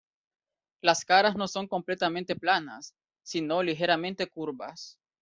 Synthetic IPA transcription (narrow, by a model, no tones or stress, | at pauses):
laskaɾazno̞so̞ŋko̞mple̞t̪amẽnt̪e̞plana̰sː | ino̞lixe̞ɾamẽ̞nt̪e̞kuɾβas